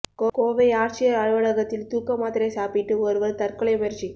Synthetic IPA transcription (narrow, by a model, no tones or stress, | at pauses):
koːkoːʋɐɪaːɾt͡ʃɪjɐɐɻɯʋɐɽɐɣɐt̪ːɪlt̪uːkːɐmaːt̪ɪɾɐɪsaːpɪʈːɯoɾɯʋɐlt̪ɐɾkɯɭɐɪmɛɾt͡ʃi